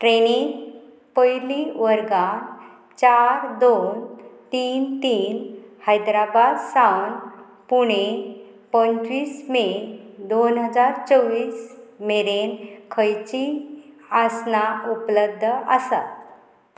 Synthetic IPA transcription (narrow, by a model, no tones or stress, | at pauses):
ʈɾeniŋ | pəjliʋəɾɡãn | t͡ɕaɾd̪ont̪iːnt̪iːnhajd̪ɾabad̪sawn | puɽ̃e | pənt͡ɕʋiːsmed̪onɦəd͡zaɾt͡səʋiːsmeɾenkʰəjt͡ɕi | asnaupləb̚d̪ʱəʔəsa̰t̪